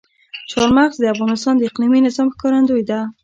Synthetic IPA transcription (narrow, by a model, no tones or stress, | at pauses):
t͡ʃɑɾmaɣzd̪əafɣɑnɪst̪ɑnd̪əɪqliminɪzɑmxkɑɾand̪ojd̪a